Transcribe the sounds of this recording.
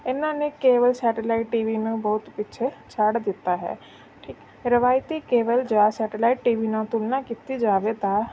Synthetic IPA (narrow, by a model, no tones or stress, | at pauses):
ɪnãːnekeːʋəlsɛːʈəlaːiʈːiːʋiːnẽbɔːt̪pɪtːʃʰet͡ʃʰaɽd̪ɪt̪ːaːɦɛ̰ː | ʈʰiːk | ɾəʋaːjt̪ikeːʋəld͡ʒaːsɛːʈlaːiʈːiːʋiːnãːt̪ulnaːkiːt̪id͡ʒaːʋet̪ãː